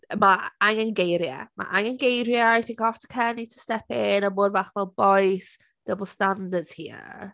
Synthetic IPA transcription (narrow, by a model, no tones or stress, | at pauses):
maaŋənɡejɾja̰ma̰ʔaŋənɡejɾjəajθɪ̃ŋkɔftʰə̥kʰɛːnitʰə̥stɛpɪnamʊːdvaχvɔlˠbɔjs | d̥əbəlˠstandədz̥hiə̰